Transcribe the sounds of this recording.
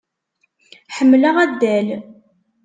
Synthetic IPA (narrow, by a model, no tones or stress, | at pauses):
ħəmːləʁæd̪ːæl